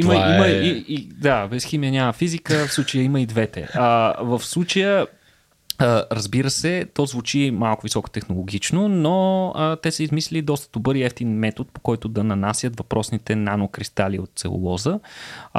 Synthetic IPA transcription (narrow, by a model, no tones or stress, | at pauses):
iməiməiid̪abɛsximijənʲaməfizikəfsˠut͡ʃəjəiməid̪vɛt̪ɛ̰əvəfslˠut͡ʃəjə | əɾəzbiɾəsɛt̪ɔzvut͡ʃimalˠkʊvisɔko̥t̪ɛxnolˠoɡʲit͡ʃnonoət̪ɛsəizmislɛlid̪ɔst̪ə̥d̪̥obɤɾiɛft̪inmɛt̪ot̪̚pokɔjt̪ʊd̪ɐnɐnasjət̪vɐpɾʔɔsnit̪ɛnanokɾist̪aliot̪̚t̪sɛ̰o̰lˠɔzə